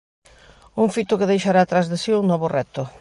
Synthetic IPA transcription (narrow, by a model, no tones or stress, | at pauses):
uŋfit̪ʊkɪðejʃaɾaːt̪ɾazðesiuŋnɔβʊrɛt̪ʊ